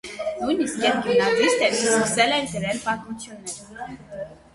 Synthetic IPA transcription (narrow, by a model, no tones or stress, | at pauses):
nujniskjɛp̚ɡənɑzist̪ɛɾsksɛlɛnɡəɾɛlpɑt̪mut͡sʰjunːɛɾ